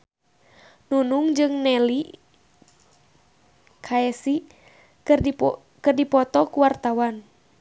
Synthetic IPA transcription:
nunuŋd͡ʒɨŋnɛli | kʰaɛsi | kɨrdipɔt̪ɔkuwart̪awan

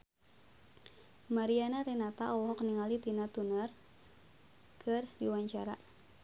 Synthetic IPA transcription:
maɾianaɾenat̪aʔɔwɦɔkniŋalit̪inat̪unər | kʰərdiwaɲt͡ʃaɾa̰

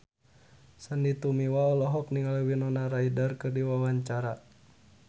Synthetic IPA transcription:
sandit̪umiwaɔlɔɦɔk̚niŋalwinɔnaɾaidarkɨrdiwawaɲt͡ʃaɾa

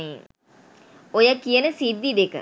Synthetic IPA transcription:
iŋ | ojəkijənəsid̪ːid̪ekə̰

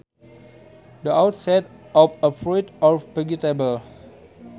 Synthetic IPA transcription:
dəʔawt̚sɛt̚ɔfəfɹɔjtɔpɛɡitebəl

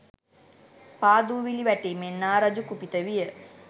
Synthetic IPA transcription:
paːd̪uːʋiliʋɛʈemenːaːɾɐd͡ʒukupit̪əʋijə

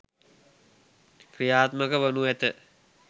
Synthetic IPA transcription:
kɾijaːt̪məkəʋənuæt̪ə

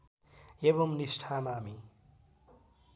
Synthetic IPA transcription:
eβomnisʈʰamaːmi

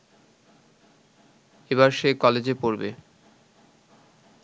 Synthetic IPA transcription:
eβaɾʃekɔled͡ʑepoɾbḛ

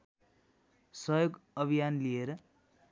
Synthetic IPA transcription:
sʌjoɡʌbʱijanlieɾʌ

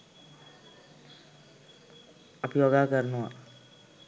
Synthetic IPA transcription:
əpijoɡakəɾnua̰

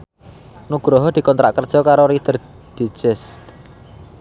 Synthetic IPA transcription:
nuɡ̥ɾɔɦɔd̪̥i̤kɔnt̪ɾa̰ʔkərd̥ʒ̥ɔ̤kaɾoɾid̪̥ə̤r | d̪̥i̤̥ʒ̥ɛs

